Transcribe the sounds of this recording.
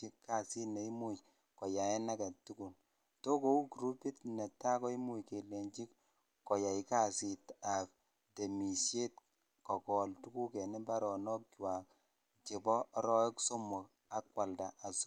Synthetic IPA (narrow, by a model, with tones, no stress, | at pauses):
i˦kːa˦si˦ne˨i˦mu˦j | kɔ˨ja˨ɛ˦na˦ka˨tu˦ku˨n | to˦ko˦u˦kɾu˦pi˦tnɛ˨tːa˦kɔ˦i˦mu˦jke˨le˨nt͡ʃi˦k | kːɔ˨ja˨i˦ka˦˨si˨ta˨p̚ | de˨mi˨sje˦t̚ | kɔ˨kɔ˨ltu˦ku˦kɛ˨ni˦ba˦ɾɔ˨nɔ˦k̚t͡ʃwa˨k̚ | t͡ʃe˨bɔ˦ɾɔ˦e˦kso˦mɔ˨k | a˦kwa˨lda˨ʔa˨su˦